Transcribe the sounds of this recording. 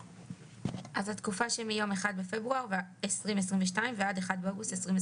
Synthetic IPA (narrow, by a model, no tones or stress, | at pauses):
ʔazhat̪kufaʃemijo̞meχad̪̚befe̞bʁuaʁvesʁimves̬ʁimveʃ̬taimvead̪eχad̪̚beo̞ɡustesʁimve